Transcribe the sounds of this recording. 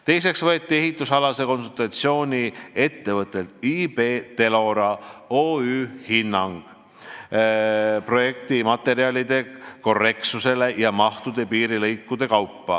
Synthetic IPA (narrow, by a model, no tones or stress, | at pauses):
t̪e̞js̬e̞ksvɤet̪ʲːie̞ɦit̪ːˑusɑlɑse̞ko̞nsult̪ɑt̪sio̞ːnʲie̞t̪ːe̞vɤt̪ˑːe̞lt̪ib̥e̞ːt̪e̞lo̞ɾɑoːyːhinːɑŋɡ̥ | pro̞je̞k̚t̪imɑt̪ːˑe̞ɾiɑlid̪̥e̞ko̞re̞ksuse̞le̞jɑmɑht̪ud̪̥e̞piːɾilejkːˑud̪̥e̞kɑwpːɑ̰